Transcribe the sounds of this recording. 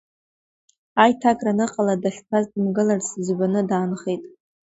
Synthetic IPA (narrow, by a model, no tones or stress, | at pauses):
ajtʰakʼranɨqʼaladaχʲpʰazdɨmɡɨlarsɨzbʷanɨdaːnχejtʼ